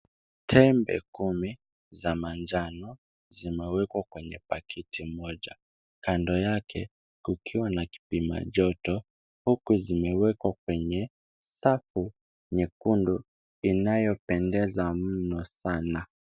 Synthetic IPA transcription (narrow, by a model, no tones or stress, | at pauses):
tʰɛmbɛ̰kumi | zamand͡ʒanɔ | zimɛwɛkwakwɛɲɛpakʰitʰimɔʄa̰ | kandɔjakʰɛ | kukʰiwanaki̥pima̰ʄɔtɔ | hukuzimɛwɛkwakwɛɲɛ | safu | ɲɛkundu | inajɔpɛndɛzam̩nɔsana